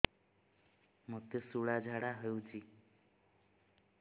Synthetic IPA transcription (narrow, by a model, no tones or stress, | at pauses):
mɔt̪esuɭad͡ʒʱaɽaɦəut͡ʃi